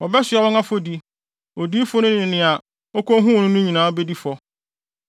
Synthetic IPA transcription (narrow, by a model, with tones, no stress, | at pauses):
wɔ˨bɛ˦sɪ˨ɛ˦wɔ˦ŋã˦fɔ˦di˦ | o˨di˦fʊ˦nʊ̃˦n˦ɪ̃˨nɪ̃˨a˨ | ɔ˦kõ˦ɦũ˦wnʊ̃˦nʊ̃˦ɲĩ˨nãː˦ɔ˦be˦di˦fɔ˦